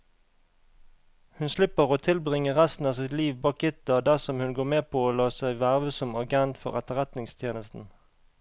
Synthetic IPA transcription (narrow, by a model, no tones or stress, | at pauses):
hʉnslɪpəʁoːt̪ʰɪlbʁɪŋəʁæst̪n̩ɑːsɪt̪liːʋbɑːk̚ɪt̪ɑd̪æʁsɔmhʉnɡoːʁmeːpʰoːoːlɑːsæɪʋæːʁʋəsɔmɑɡɛnt̪fɔ̰ʁɛt̪əʁɛt̪nɪŋst̪ʰjeːnəst̪n̩